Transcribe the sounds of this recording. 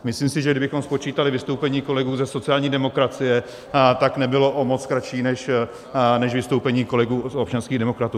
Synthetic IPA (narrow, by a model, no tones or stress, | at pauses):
mɪsliːmsɪʒɛɡdɪbɪxo̞mspo̞t͡ʃiːt̪alɪvɪst̪owpɛɲiːko̞lɛɡuːzɛsot͡sɪaːlɲiːdɛmo̞kɾat͡sɪjɛ | t̪aknɛbɪlo̞ʔomo̞t͡skɾaʃiːnɛʃ | nɛʃvɪst̪o̞wpɛɲiːko̞lɛɡuːsop̚t͡ʃanskiːɣdɛmo̞kɾat̪uː